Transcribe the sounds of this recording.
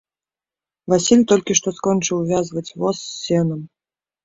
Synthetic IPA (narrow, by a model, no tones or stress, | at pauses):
vasʲilʲt̪ɔlʲkʲiʂt̪ɔskɔnt͡ʂɨwvʲazvɐt͡sʲvɔsːʲɛnɐm